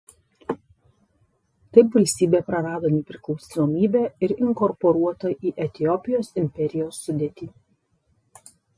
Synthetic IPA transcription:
t̪ɐɪpʋɐlʲsʲt̪ʲiːbʲeːpɾɐɾɑːd̪oːnʲɛpʲɾʲɪklˠɔʊsʲnoːmʲiːbʲɛɪɾɪŋkɔɾpɔɾuɔt̪ɐʔiːʔɛt̪ʲɪjɔpʲɪjoːsɪmʲpʲɛɾʲɪjoːsːʊd̪ʲeːt̪ʲiː

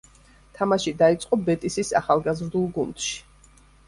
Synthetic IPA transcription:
t̪ʰamaʃid̪ait̪sʼqʼɔbɛt̪ʼisisa̰χalˠɡazɾd̪ulˠɡund̪̥ʃi̥

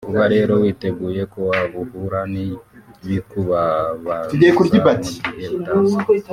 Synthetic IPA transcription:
uβaɾeɾowiteɡujekuwaβuhuɾaniβikuβaβatiɡeikuɾibati̥jeβuta

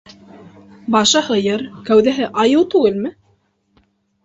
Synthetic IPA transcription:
bɑʃɤhɤ̆jɤɾkæwðæɦɘʔɑjɤwt̪ʉɡɘlmɘ

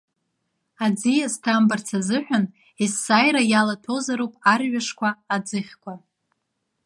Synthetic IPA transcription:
ad͡zijastʰambart͡sʰazɨħʷᶣan | isːajɾajalatʰo̞zaɾowpʼarɥaʂkʷʰaːd͡zɨχʲkʷʰa

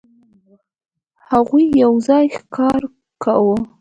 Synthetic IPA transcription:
haɣujːawzɑjxkɑɾ | ka̰wə

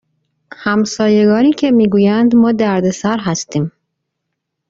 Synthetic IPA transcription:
hæmsɒːje̞ɡɒːniːcʰe̞miːɡuːjænd̪mɒːd̪æɾd̪e̞sæɾɦæst̪iːm

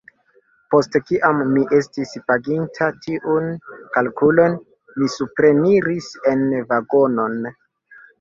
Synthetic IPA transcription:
po̞stkiʔamːiʔe̞stispaɡintʰatʰiʔunkalkulo̞n | misupɾe̞niɾise̞nvaɡo̞no̞n

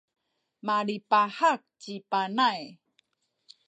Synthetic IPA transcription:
maɾipaħak̚t͡ɕipanaj

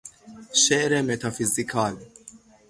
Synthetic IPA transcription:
ʃɛʔɾɛmɛt̪ɐfɪzɪkʰɐːli

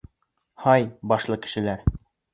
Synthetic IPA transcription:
hɑjbɒʃlˠɤkɘ̥̆ʃɘ̆læɾ

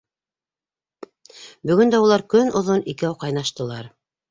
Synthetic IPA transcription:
bɵ̆ɡɵnd̪æulˠɑɾkɵnŏðonikæwqɑjnɑʃt̪ɤ̆lˠɑɾ

